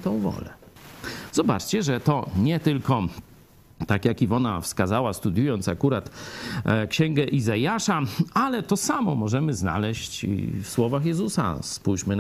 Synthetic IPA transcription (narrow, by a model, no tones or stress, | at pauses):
t̪ɔ̃w̃vɔ̰lɛ | zɔba̰t͡ʂt͡ɕɛʐɛt̪ɔɲɛt̪ɘlkɔ | t̪akjakivɔna̰fskazawast̪ud̪ʲjujɔnt̪sakuɾat̪ | kɕɛŋɡɛʔizajaʂaalɛt̪ɔsamɔmɔʐɛmɘzna̰lɛɕt͡ɕḭfswɔvaxjɛzusa̰spujɕmɘn